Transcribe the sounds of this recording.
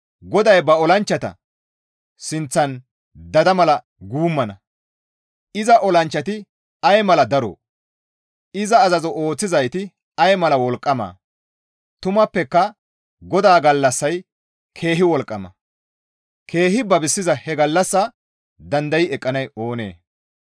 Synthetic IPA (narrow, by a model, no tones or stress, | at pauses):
ɡɔd̪ɐjbɐɔlɐnt͡ʃːɐt̪ɐ̰ | sɪnt͡sːɐn | d̪ɐd̪ɐmɐlɐ | ɡuːmːɐnɐ | ɪzɐʔɔlɐnt͡ʃːɐt̪ɪ | ɐjmɐlɐd̪ɐɾo̰ː | ɪzɐːzɐzɔʔo̞ːt͡sːɪzɐjt̪ɪ | ɐjmɐlɐwɔlkʼːɐma̰ː | t̪ʊmɐpːɛkːɐ | ɡɔd̪aːɡɐlːɐsːɐj | kʰe̞ːɦɪwɔlkʼːɐmɐ̰ | kʰe̞ːɦɪbɐbɪsːɪzɐhɛɡɐlːɐsːɐ | d̪ɐnd̪ɐjɪɛkʼːɐnɐjo̞ːnḛː